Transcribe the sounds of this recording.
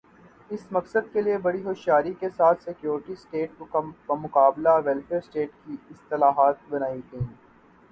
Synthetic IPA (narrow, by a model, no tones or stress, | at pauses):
ɪsmɐksəd̪̚keliebɐɽiɦoːʃjaːɾikesaːt̪ʰsɪkjoːɾʈisʈeːʈ̚amʊkaːblaʋɛlfeːɾsʈeːʈkiɪst̪ɪlaːɦaːt̪̚bɐnaːid̪̃ː